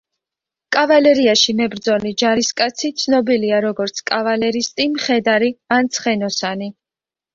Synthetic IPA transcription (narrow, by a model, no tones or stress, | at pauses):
kʼavalɛɾiaʃimɛbɾd̪zɔlid͡ʒaɾiskʼat̪sʰit̪sʰnɔbiliaɾɔɡɔɾt̪sʰkʼavalɛɾist̪ʼimχɛd̪aɾiant̪sʰχɛnɔsani